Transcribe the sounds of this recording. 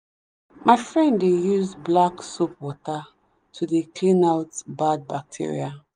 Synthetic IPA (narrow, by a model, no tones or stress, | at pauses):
mʔaɪfɹɛ̃ndejuzblaksopwɔta | tʰudekʰlĩnaʊtbad̚bak̚tʰḭɹḭa